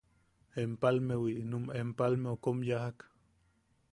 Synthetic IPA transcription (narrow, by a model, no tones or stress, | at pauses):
empalmewiʔnumempalmeokomjahak